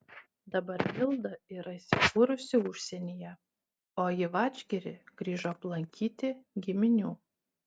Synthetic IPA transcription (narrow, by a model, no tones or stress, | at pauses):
d̪ɐbɐɾʋʲɪlˠd̪ɐɪɾɐisʲɪkuɾʊsʲɪʊʃʲsʲɛnʲijɛ | oːjɪʋɑːd͡ʒʲɡʲɛɾʲɪ̰ɡ̥ɾʲiːʒoɐplˠɐŋʲkʲiːt̪ʲɪɡʲɪmʲɪnʲuː